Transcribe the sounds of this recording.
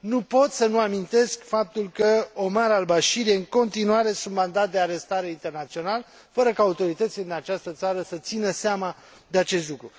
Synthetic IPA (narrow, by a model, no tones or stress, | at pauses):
nupo̞t̪sənuamint̪e̞skfap̚t̪ulkəo̞maɾalbaʃiɾijeɨŋko̞nt̪inuaɾe̞sunt̪mand̪at̪̚d̪e̞aɾe̞st̪aɾe̞int̪e̞rnat̪sio̞nal | fəɾəkaːut̪o̞ɾit̪ət̪sile̞d̪inat͡ʃast̪ət̪saɾəsət̪sinəseama | d̪e̞at͡ʃe̞st̪lukɾu